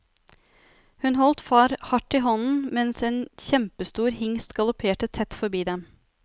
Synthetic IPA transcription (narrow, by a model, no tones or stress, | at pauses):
hʉnhɔlt̪fɑːɾhɑʈiːɦɔnn̩mɛnseːnçɛmpəst̪uːɾhɪŋst̪ɡɑlʊpʰeːʈət̪ʰɛt̪fɔɾbiːd̪ɛm